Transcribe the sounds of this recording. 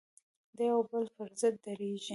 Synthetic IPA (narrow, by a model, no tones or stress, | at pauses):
d̪əjawbəlpəɾzəd̪̚ːaɾeʒi